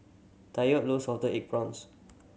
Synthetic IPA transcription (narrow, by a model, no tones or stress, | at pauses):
tajɔt̚losɔdəɛk̚bɹɔ̃ns